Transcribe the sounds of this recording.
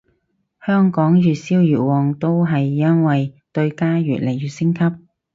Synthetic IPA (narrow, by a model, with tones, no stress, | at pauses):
hœː˥ŋkɔː˨˥ŋjyː˨t̚siː˥wjyː˨˩t̚wɔː˨ŋt̪o˥wɦɐ˨jːɐ˥nwɐ˨jt̪ɵ˧ɥkaː˥ɥy̰ː˨t̚le˨˩jɥyː˨t̚sɪ˥ŋkʰɐ˥p̚